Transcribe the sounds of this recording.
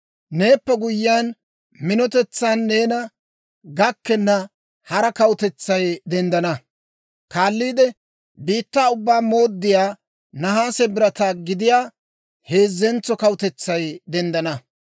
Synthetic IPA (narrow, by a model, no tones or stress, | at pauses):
ne̞ːpːɛɡʊjːɪaːn | mɪnɔt̪ɛt͡sːaːnːe̞ːnɐ | ɡɐkːɛnːɐ | hɐɾɐkɐwʊt̪ɛt͡sːɐjd̪ɛnd̪ɐnɐ | kaːlːiːd̪ɛ | biːt̪ːaːʊbːaːmo̞ːd̪ːɪjaː | nɐɦaːsɛbɪɾɐt̪aːɡɪd̪ɪjaː | he̞ːzːɛnt͡sːɔkɐwʊt̪ɛt͡sːɐjd̪ɛnd̪ɐnɐ